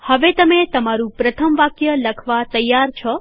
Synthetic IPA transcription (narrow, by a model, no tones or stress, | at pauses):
həʋet̪əmet̪əmaɾũpɾət̪ʰəmʋakjələkʰʋat̪əjːaɾt͡ʃʰɔ